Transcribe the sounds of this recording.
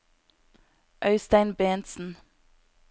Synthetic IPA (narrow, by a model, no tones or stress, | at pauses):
ʔœʏst̪æɪnbeːnt̪sn̩